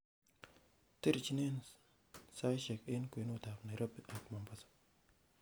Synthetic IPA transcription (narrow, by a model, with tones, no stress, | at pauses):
ti˦ɾt͡ʃi˦ne˦n | sa˦jʃe˨ke˦nkʷe˨˦no˦˨ta˨fna˨ɾa˦ba˨kma˨mba˨sḁ˨